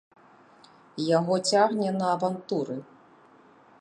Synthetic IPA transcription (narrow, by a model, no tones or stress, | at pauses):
jaɣɔt͡sʲaɣnʲɛnɐːvant̪uɾɨ